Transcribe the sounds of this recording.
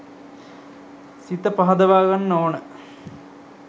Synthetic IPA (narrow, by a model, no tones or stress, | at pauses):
sit̪əpɐɦɐd̪ɐʋaːɡanːoːnə